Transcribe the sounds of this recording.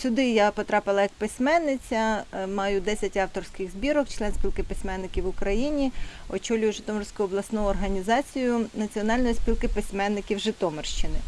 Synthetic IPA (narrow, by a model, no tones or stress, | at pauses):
sʲʊd̪ɪjapɔt̪ɾɑpɪlˠɐjɐk̚pɪsʲmɛnːɪt͡sʲɐmɑjʊd̪ɛsʲɐtʲɑwt̪ɔrsʲkɪɣzʲbʲiɾɔkt͡ʃlˠɛnsʲpʲilˠkɪpɪsʲmɛnːɪkʲiwʊkɾɐjinʲiɔt͡ʃɔlʲʊjʊʒɪt̪ɔmɔrsʲkʊjʊɔblˠɐsnɔjʊɔrɦɐnʲizɑt͡sʲijʊnɐt͡sʲiɔnɑlʲnɔjisʲpʲilˠkɪpɪsʲmɛnːɪkʲiwʒɪt̪ɔmɔrʃt͡ʃɪnɪ